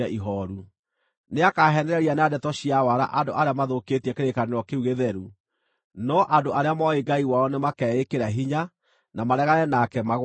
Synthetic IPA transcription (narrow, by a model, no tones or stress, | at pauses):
ɛʔiɦɔɾu | neakaɦɛnɛɾɛɾianadɛtɔɕiawaɾa̰ʔadoʔaɾeamaðoketiɛkeɾekaneɾɔkeuɣeðɛɾu | nɔʔadoʔaɾeamɔeɡaiwaɔnemakɛekeɾaɦiɲa | namaɾɛɣaɾɛnakɛmaɣ